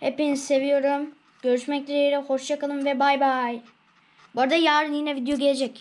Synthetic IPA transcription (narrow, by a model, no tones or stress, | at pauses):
hepinizse̞vijo̞ɾum | ɟ̥ø̞ɾyʃmɛclʲeɾijɾɛho̞ʃjakalˠɯmvɛbajbaj | boɾad̪ajaːɾɯnjinɛvid̪ejo̞ɟeled͡ʒɛc